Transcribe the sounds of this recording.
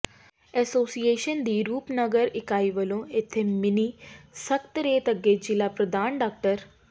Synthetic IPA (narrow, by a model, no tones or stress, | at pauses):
ɛsoːsijeːʃənd̪iːɾuːpnəɡəɾɪkaːiʋəlõɪt̪ʰːemɪnisəkt̪ɾeːt̪əɡeːd͡ʒilapɾəd̪aːnɖaːk̚ʈəɾ